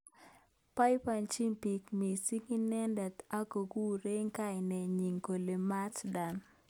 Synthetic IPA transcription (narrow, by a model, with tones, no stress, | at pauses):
pa˦ɪ˦pa˨nt͡ʃi˦mpi˨kmi˨si˦ŋi˦nɛ˦ndɛ˨ta˦ko˨ɡu˦ɾe˦ŋka˦jnɛ˨ɲi˨ŋko˨le˨ma˦tda˨n